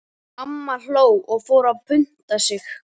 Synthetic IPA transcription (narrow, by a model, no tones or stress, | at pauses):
amːal̥oːwɔɣfoːwɾavpʰʏn̥t̪asɪx